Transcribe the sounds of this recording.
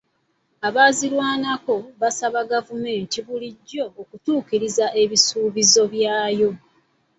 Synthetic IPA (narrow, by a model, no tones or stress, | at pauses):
aβaːzilwaːnako̞βasaβaɡavume̞ːntiβuliɟːo̞ːkutuːkiɾizaʔe̞βisuːβizo̞βjaːjo̞